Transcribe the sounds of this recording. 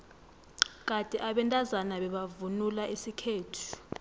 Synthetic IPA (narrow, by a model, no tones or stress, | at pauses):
k̬atʼɛʔaɓɛntʼazanaɓɛɓavunulaʔisikʰeːtʰu̥